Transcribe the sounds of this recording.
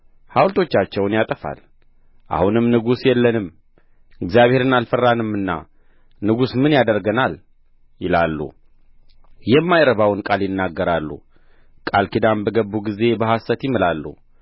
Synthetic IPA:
hawlt̪ʰo̞t͡ʃːat͡ʃːɛwnjat̪ʼəfa̰l | ʔa̰hunɨmnɨɡusjɛlːənɨm | ɨɡzijaβhe̞ɾɨnalfərːanɨmːɨnːa̰ | nɨɡusmɨnjad̪əɾɡənal | jɪlalːṵ | jɛmːajɾəβawnkʼaljɪnːaɡːəɾalːṵ | kʼalkid̪ambəɡəbːuɡize̞bəhasət̪jɪmɨlalːṵ

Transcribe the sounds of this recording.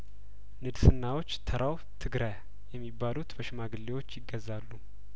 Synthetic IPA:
nɨd̪sɨnːawo̞t͡ʃːt̪ʰəɾʔaw | t̪ʰɨɡɾaj | jɛmːibːalut̪bəʃɪmaɡɨlːewo̞t͡ʃːjɪɡːəzːalːu

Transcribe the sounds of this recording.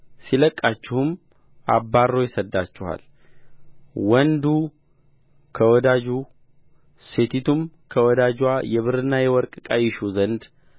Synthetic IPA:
siləkʼːat͡ʃːɪhʊm | ʔabːarːo̞jɛsəd̪ːat͡ʃːɪha̰l | wɔnd̪u | kʰəwɔd̪ad͡ʒu | set̪ʰit̪ʰumkʰəwɔd̪ad͡ʒwajɛβɨɾɨnːajɛwɔɾkʼkʼajɪʃuzənd̪

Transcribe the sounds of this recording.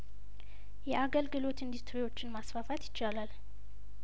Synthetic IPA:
jɛʔaɡəlɡɨlo̞t̪ɨnd̪ust̪ɾiwo̞t͡ʃːɪnmasfafat̪jɪ̥t͡ʃːalal

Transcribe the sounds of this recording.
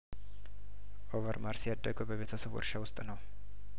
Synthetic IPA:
ʔovəɾmaɾsjad̪ːəɡəbəβe̞t̪ʰəsəβwɔ̰ɾʃawʊst̪ʼnəw

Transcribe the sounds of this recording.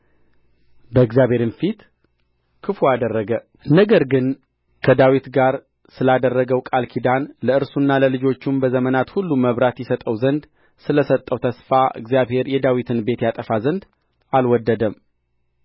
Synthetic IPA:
bəɨɡzjaβhe̞ɾɨnfit̪ | kʰɨfuad̪ərːəɡə | nəɡəɾɡɨn | kʰəd̪awit̪ɡaɾ | sɨlad̪ərːəɡəwkʼalkʰid̪anləɨɾsunːaləlɨd͡ʒo̞t͡ʃːumbəzəmənat̪hulːuməβɾat̪jɛsət̪ʼəwzənd̪ | sɨləsət̪ʼːəwt̪ʰəsfaʔɨ̰ɡzijaβhe̞ɾjɛd̪awit̪ʰɨnbe̞t̪jat̪ʼəfazənd̪ | alwɔd̪ːəd̪əm

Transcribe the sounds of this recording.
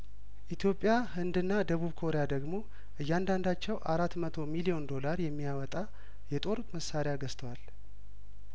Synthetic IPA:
ʔit̪ʰjo̞pʼːjahɨnd̪ɨnːad̪əβuβkʰo̞ɾejad̪əɡmo̞ | ʔɨjːand̪and̪at͡ʃːɛwʔaɾat̪ːmət̪ʰo̞milijo̞nd̪o̞laɾjɛmːijawɔt̪ʼa | jɛt̪ʼo̞ɾut̪məsːaɾejaɡəst̪ʰəwal

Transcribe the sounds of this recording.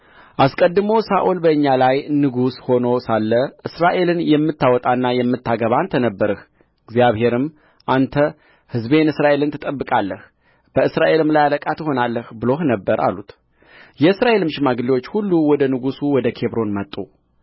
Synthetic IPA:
ʔaskʼəd̪ːɨmo̞wsaʔulbəɨɲːalajnɨɡusho̞no̞salːəʔɨsɾaʔe̞lɨnjɛmːɨt̪ːawɔt̪ʼanːajɛmːɨt̪ːaɡəβant̪ʰənəbːəɾɨh | ɨɡzijaβhe̞ɾɨm | ʔant̪ʰə | hɨzbe̞nɨsɾaʔe̞lɨnt̪ʰɨt̪ʼəbːɨkʼalːəh | b̥əɨsɾaʔe̞lɨmlajaləkʼat̪ho̞nalːəhbɨlo̞hnəbːəɾa̰lut̪ | jɛɨsɾaʔe̞lɨmʃɪmaɡɨliwot͡ʃːhulːuwɔd̪ənɨɡusuwɔd̪əkʰe̞βɾo̞nmət̪ʼːu

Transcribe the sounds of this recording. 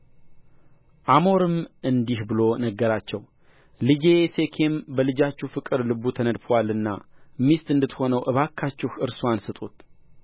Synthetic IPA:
ʔamo̞ɾɨmʔɨnd̪ihbɨlo̞nəɡːəɾat͡ʃːɛw | lɨd͡ʒese̞kʰembəlɨd͡ʒat͡ʃːufɨkʼɨɾlɨbut̪ʰənəd̪fwalɨnːa̰mist̪ɨnd̪ɨt̪ho̞nəwʔɨβakʰːat͡ʃːɪhɨɾsuansɨt̪ʼut̪

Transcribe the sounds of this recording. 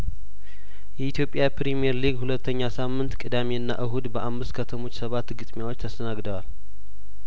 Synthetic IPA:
jɛit̪jo̞pʼːjapɾimieɾliɡhulət̪ːəɲːasamːɨnt̪kʼɨd̪ameɨnːa̰ʔɨɦud̪bəʔamːɨst̪kʰət̪ʰəmo̞t͡ʃːsəβat̪ːɡɨt̪ʼmjawo̞t͡ʃːt̪ʰəst̪ʰənaɡd̪əwal

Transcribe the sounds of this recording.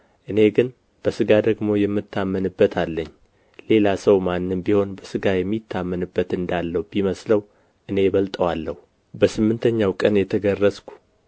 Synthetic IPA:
ʔɨne̞ɡɨn | b̥əsɨɡad̪əɡmo̞jɛmːɨt̪ʰːamːənɨbːət̪ʰalːəɲː | le̞lasəwmanːɨmbiho̞nbəsɨɡajɛmːit̪ʰːamːənɨbːət̪ɨnd̪alːəhubiməsləw | ʔɨne̞βəlt̪ʼəwalːəhu | bəsɨmːɨnt̪ʰəɲːawkʼənjɛt̪ʰəɡərːəskʷʰu̥

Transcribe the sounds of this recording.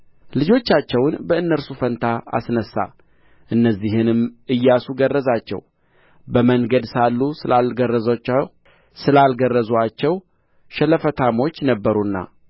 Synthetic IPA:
lɨd͡ʒo̞t͡ʃːat͡ʃːɛwnbəɨnːəɾsufənt̪ʰaa̰snəsːa̰ | ʔɨnːəzːihɨnɨmʔɨjːasuɡərːəzat͡ʃːɛ̰w | bəməŋɡəd̪salːusɨlalɡərːəza | sɨlalɡərːəzuat͡ʃːɛw | ʃɛləfət̪ʰamo̞t͡ʃːnəbːəɾunːa̰

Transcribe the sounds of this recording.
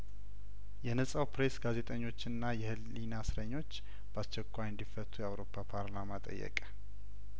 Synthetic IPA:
jɛnəsʼawpɾe̞sɡaze̞t̪ʼəɲːo̞t͡ʃːɨnːajɛhɨlː | inasɾəɲːo̞t͡ʃː | b̥ast͡ʃːɛkʰʷːajɨnd̪ifət̪ʰːujɛawɾo̞pʰːapʰaɾlamat̪ʼə̰jːɛ̰kʼə̥

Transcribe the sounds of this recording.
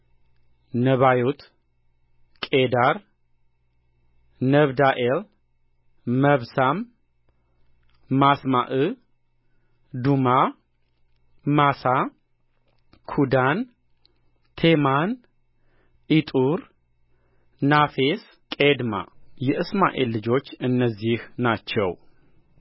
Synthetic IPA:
nəβajut̪ | kʼed̪aɾ | nəβd̪aʔel | məβsam | asmaʔɨ | d̪uma | masa | kʰud̪an | t̪ʰeman | ʔit̪ʼuɾ | nafes | kʼed̪ma̰jɛʔɨsma̰ʔḛlːɨd͡ʒo̞t͡ʃːɨnːəzːihnat͡ʃːɛ̰w

